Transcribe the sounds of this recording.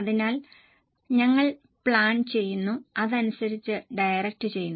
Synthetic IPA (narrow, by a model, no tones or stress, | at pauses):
ɐðinaːl | ɲɐŋːɐɭ | pɭaːnt͡ɕe̞jːunːuɐðɐnusɐɾit͡ɕːɨɖɐjrɐk̚tɨt͡ɕe̞jːunː